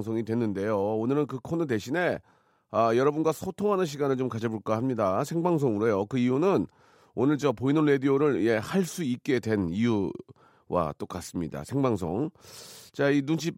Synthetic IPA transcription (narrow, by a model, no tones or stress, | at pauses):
ŋsʰoŋidwe̞nːɯnde̞joonɯɾɯnkɯkʰonɯte̞ɕʰine̞ | ʌjʌɾʌbunɡwasʰotʰoŋɦanɯnɕ̬ʰiɡanɯɭt͡ɕomkad͡ʑʌboɭk͈ahamɲidasʰeŋbaŋsʰoŋuɾʌjokɯijunɯn | onɯɭt͡ɕiʌpoinɯnɾe̞dioɾɯɭije̞haɭs͈uik̚k͈e̞dwe̞niju | wʔa̰t͈ok͈as͈ɯmɲida̰sʰe̞ŋbaŋs̬ʰo̰ŋt͡ɕainunɕʰip̚